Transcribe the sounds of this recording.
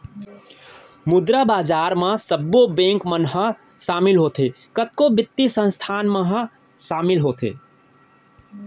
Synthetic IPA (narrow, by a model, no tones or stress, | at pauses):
mud̪ɾabaːd͡ʒaɾmãsəbːobẽŋkmənɦə̃ | samilɦot̪ʰe | kət̪̚kobɪt̪ːisə̃nst̪ʰanməɦ | samilɦot̪ʰḛ